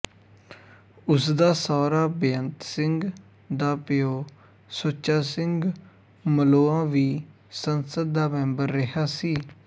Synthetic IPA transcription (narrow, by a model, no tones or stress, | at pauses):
ʊsd̪aːsɔːɾaːbeənt̪sɪŋɡ | d̪aːpɪjoː | soːt͡ʃːaːsɪ̃ŋɡ | məloːãːʋiː | sənsəd̪̚d̪aːmɛ̃ːmbəɾːɪɦaːsiː